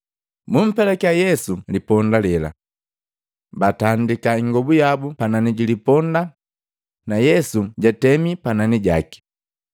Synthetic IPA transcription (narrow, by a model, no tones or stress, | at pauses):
mum̩pɛlɛkjajɛsulipɔndalɛla̰ | batandikaiŋɡɔbujabupananiɟilipɔnda | najɛsuɟatɛmipananiɟa̰ki̥